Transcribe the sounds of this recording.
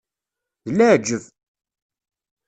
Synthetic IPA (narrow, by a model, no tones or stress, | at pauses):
ðəlːæʕd͡ʒːəv